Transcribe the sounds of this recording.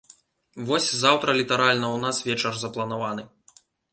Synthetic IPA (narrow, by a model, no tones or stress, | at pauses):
vɔsʲzawt̪ɾɐlʲit̪ɐɾalʲnɐwnasvʲɛt͡ʂɐrzɐplˠɐnavanɨ